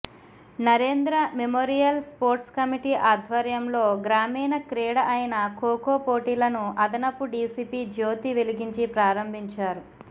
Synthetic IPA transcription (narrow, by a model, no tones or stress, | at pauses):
nɐɾeːnd̪ɾɐmemoːɾijɐlspoːɾʈskɐmiʈiːʔaːd̪ʱʋɐɾjɐmlo̞ːɡɾaːmiːnɐkɾɛːɽɐʔɐjinɐkoːkoːpoːʈiːlɐnuɐd̪ɐnɐpːuɖiːsiːpiːd͡ʒoːt̪iʋeliɡiɲt͡ʃipɾaːɾɐmbʱiɲt͡ʃaːɾu